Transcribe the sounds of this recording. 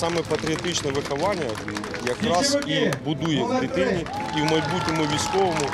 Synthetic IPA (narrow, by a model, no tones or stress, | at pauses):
sɑmɛpɐt̪ɾʲiɐt̪ɪt͡ʃnɛʋɪxɐʋɑnʲːɐ | jɐkɾɑzibʊd̪ujɛkɾʲit̪ɪnʲiiwmɐjbutʲnʲɔmʊʋʲijsʲkɔʋɔmʊ